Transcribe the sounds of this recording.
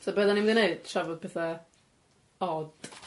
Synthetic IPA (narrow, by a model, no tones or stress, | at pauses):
sɔbəðanimðineɨd̥ʃavɔdpʰɛθa | ɔd̥